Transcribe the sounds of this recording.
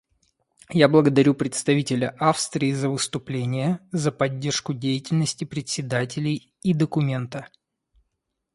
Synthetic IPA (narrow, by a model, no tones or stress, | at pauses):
jablˠəɡəd̪ɐɾʲupɾʲɪt̪st̪ɐvʲitʲɪlʲəʔafst̪ɾʲɪːzəvɨst̪ʊplʲenʲɪjəzəpɐdʲːe̞rʂkʊdʲejɪtʲɪlʲnəsʲtʲɪpɾʲɪt̪sʲɪd̪atʲɪlʲɪj | id̪əkʊmʲe̞nt̪ə